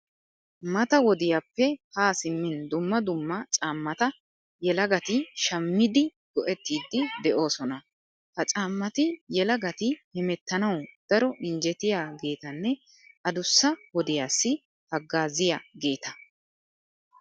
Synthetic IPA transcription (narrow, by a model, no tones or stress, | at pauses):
mɐt̪ɐwɔd̪ɪjaːpːɛhaːsɪmːɪnd̪ʊmːɐd̪ʊmːɐt͡ʃʼaːmːɐt̪ɐ | jɛlɐɡɐt̪ɪʃɐmːɪd̪ɪɡ̥ɔʔɛt̪ːiːd̪ːɪd̪ɛʔo̞ːsɔnɐ | hɐt͡ʃʼaːmːɐt̪ɪjɛlɐɡɐt̪ɪhɛmɛt̪ːɐnɐwd̪̥ɐɾɔʔɪnd͡ʒɛt̪ɪjaːɡe̞ːt̪ɐnːɛ | ɐd̪ʊsːɐwɔd̪ɪjaːsːɪ | hɐɡːaːzɪjaːɡe̞ːt̪ɐ